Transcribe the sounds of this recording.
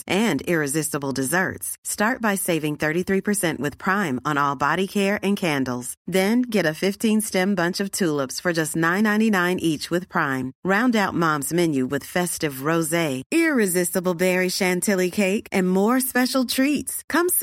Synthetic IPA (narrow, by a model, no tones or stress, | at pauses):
ʔɨ̃nɪɹɨzɪstəbl̩ˠdɨzɜ̰˞tstɑɹt̚b̥aɪseɪvɪ̃ŋθɜ˞ɾiθɹipʰə˞sɛ̃nʔwɨð̥pʰɹ̥ãɪ̃mə̃nɔlˠbɑɾikʰɛɹɨ̃nkʰæ̃ndˡl̩ˠz̥ðɨ̃nɡɛɾɨfɪftʰĩnstɛ̃mbʌ̃nt͡ʃʌv̥tʰulˠəpsfə˞d͡ʒʌstⁿnãɪ̃nãɪ̃ñtinãɪ̃nʔit͡ʃwɨð̥pʰɹ̥ãɪ̃mɹãʊ̃ndaʊt̚mɑ̃mzmɛ̃njʉwɨð̥fɛstɨvɹoʊzeɪɪɹɨzɪstəbl̩ˠbɛɹiʃæ̃ntʰɪlˠikʰeɪkʔɨ̃nmɔɹspɛʃl̩ˠtʰɹ̥itskʰʌ̃m